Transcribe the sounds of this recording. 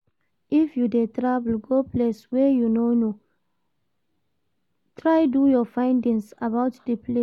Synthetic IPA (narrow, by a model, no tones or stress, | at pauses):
ʔifjudetɹavl̩ɡopleswɛjunono | tʰɹajdujɔfãj̃ndĩŋsabawtdəple